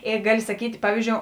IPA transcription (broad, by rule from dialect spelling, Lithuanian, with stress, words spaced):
ˈeː ˈɡɑːlʲɪ sɐˈkʲiːtʲ ˈpɑːʋʲiːzʲˌd͡ʒʲoːʊ